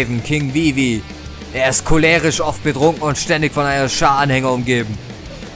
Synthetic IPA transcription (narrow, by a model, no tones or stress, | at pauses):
vn̩kʰɪŋviːviː | ʔeːɐɪstkʰolɛːʁɪʃʔɔft̚b̥ədʁ̥ʊŋkŋ̩ʊntʃtɛndɪçfɔnaɪnɐʃaːanhɛŋəʊmɡeːbm̩